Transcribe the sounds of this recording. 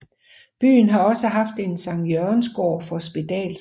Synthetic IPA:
b̥y̰ːnɦɑ̈ɒ̽səɦɑ̈fd̥e̝nsɑ̈ŋjøɐnsɡ̥o̰ːfɒ̽sb̥id̥ɛ̰ːl

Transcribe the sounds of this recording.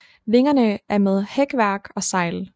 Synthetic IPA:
ʋe̝ŋɐnəʔæɐmeð̞ˠheɡ̥ʋæɐɡ̥ɒ̽sɑ̈ɪ̰l

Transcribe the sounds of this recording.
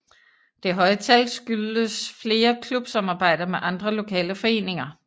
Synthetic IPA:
d̥e̝ɦɒ̽ɪət͡sʰælsɡ̥yləsfle̝ːɐkʰlub̥sɑmɑ̈ːb̥ɑ̈ɪ̰d̥ɐmeʔɑ̈nd̥ʁɐlo̝kʰɛ̰ːləfɒ̽e̝̰ːne̝ŋɐ

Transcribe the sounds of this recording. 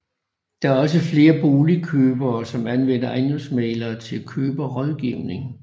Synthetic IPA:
d̥ɑ̈æɐɒ̽s̬əfle̝ːɐb̥o̝ːlikʰøːb̥ɐːsɒ̽mænʋen̰ɐʔɑɪnosmeːlɐːt͡sʰe̝lkʰøːb̥ɐʁɒð̞ˠɡ̥iʊne̝ŋ

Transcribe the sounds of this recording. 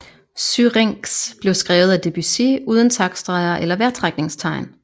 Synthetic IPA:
syʁeŋ̰ɡ̥sb̥le̝ʊsɡ̥ʁɛːʊð̩ˠæd̥e̝b̥ysiuːðˠən̩t͡sʰɑ̈ɡ̥sd̥ʁɑ̈ɪɐʔelɐʋæɐt͡sʰʁaɡ̥̚ne̝ŋst͡sʰɑ̈ɪ̰n

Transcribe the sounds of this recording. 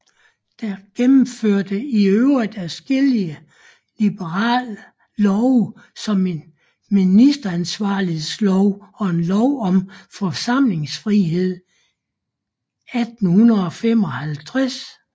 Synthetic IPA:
d̥æɡ̥emm̩føɐ̰d̥əiøʊʁid̥ˠæsɡ̥eliə | lib̥əʁɑ̰̈ːlː | ɒʊsɒ̽me̝n | minisd̥ɐænsʋɑ̈ːlihe̝slɒʊɒ̽e̝nlɒʊɒ̽mfɒ̽sɑ̈m̰le̝ŋsfʁiɦe̝ð̰ˠ | æd̥n̩hunɐð̩ˠɒ̽fem̰ɒ̽hælt͡sʰʁas

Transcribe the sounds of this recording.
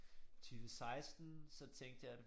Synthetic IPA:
t͡sʰyːʋəsɑ̈ɪsd̥n̩sɒ̽t͡sʰeŋ̰ɡ̥̚d̥əjɑ̈ɪæd

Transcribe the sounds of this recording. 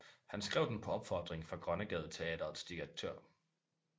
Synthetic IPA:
hænsɡ̥ʁɛʊd̥enpʰɒ̽ɒ̽b̥fɒd̥ʁeŋfʁɑ̈ɡ̥ʁɶnəɡ̥ɛːð̞̩ˠt͡sʰe̝ɛ̰ːd̥ɐð̩ˠsd̥iɡ̥æt͡sʰø̰ɐ̰

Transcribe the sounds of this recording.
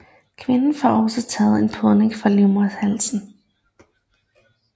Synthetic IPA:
kʰʋe̝nn̩fɒɒ̽sɒt͡sʰɛ̰ːð̩ˠe̝npʰoðˠne̝ŋfʁɑ̈liʊmhælsn̩

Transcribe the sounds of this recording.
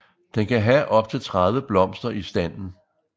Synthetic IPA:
d̥enkʰæɦæʔɒ̽b̥̚t͡sʰe̝lt͡sʰʁaðˠʋəb̥lɒ̽m̰sd̥ɐisd̥æn̰n̩

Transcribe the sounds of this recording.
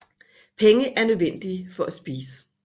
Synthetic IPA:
pʰeŋəʔæɐnøðˠʋen̰d̥iəfɒ̽ʔæsb̥iːsə̥

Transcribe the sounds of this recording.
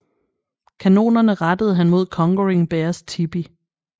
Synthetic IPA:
kʰæno̝̰ːnɐnəʁɑd̥əð̞̩ˠɦænmo̝ð̞̰ˠkʰɒ̽ŋɡ̥oʁiŋb̥eɐst͡sʰib̥i

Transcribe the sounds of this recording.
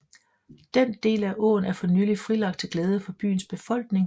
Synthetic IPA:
d̥end̥e̝̰ːlæʔɔ̰ːn̩æɐfɒ̽nyːlifʁilɑ̈ɡ̥̚d̥̚t͡sʰe̝ɡ̥leːð̞ˠəfɒ̽b̥y̰ːn̩sb̥e̝fɒ̽l̰ɡ̥ne̝ŋ

